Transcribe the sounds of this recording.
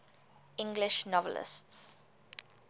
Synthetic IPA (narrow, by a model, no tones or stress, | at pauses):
ɪ̃ŋɡlɪʃnɔvə̰lɪ̰sts